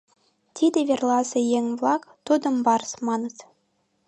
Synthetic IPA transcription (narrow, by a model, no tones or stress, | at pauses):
t̪ʲid̪ʲɘ̆ʋʲerlˠɑzɤ̆jeŋʲvlˠɑkt̪ud̪ɤ̆mbɑɾsmɑnɤ̆t̪